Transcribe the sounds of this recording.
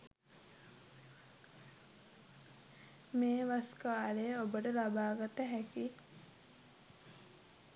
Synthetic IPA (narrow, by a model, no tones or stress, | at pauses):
meːʋaskaːlejəobəʈəlabaːɡat̪əɦɛki